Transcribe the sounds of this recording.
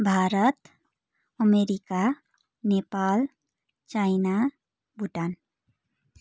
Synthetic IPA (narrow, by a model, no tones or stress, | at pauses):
bʱaːɾət̪ | əmeɾika | nepaːl | t͡ʃaina | bʱuʈan